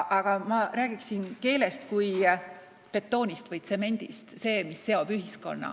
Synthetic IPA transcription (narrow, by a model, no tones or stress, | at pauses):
ʔɑɡ̥ɑmɑɾæːɡ̥iksinke̞ːle̞st̪kuj | pe̞t̪ːo̞ːnʲist̪vɤjt̪se̞me̞nʲd̪̥ḭst̪se̞ːmisːe̞o̞b̥yɦisko̞̰nːɑ̰